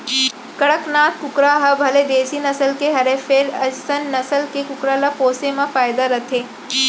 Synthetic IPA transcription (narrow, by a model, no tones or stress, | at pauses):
kɐɽəknaːt̪kʊkɾaɦɐbʱɐled̪eːsinɐsəlkeɦɐɾefʰeːɾɐsənːɐsəlkekʊkɾalapoːsemãfaːjd̪aɾɐt̪ʰeː